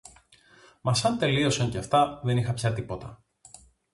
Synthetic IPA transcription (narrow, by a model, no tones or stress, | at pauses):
mɐsɐnt̪e̞lio̞sɐɲceft̪ɐðe̞nixɐpçɐt̪ipo̞t̪ɐ̰